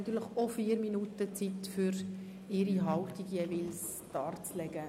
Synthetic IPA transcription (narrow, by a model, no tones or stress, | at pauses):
nɑt̪yːɾləχofiːɾminutət͡sitfyɾ | ɪɾiɦɑltiɡjevɪls | d̥ɑːrt͡slɛɡ̥ə